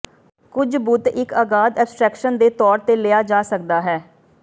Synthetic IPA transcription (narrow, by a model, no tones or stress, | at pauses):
kʊd͡ʒbʊt̪ɪkəɡaːd̪ɛːbsʈɾɛːkʃənd̪eːt̪ɔːɾt̪eːlɪjaːd͡ʒaːsək̚d̪aːɦɛː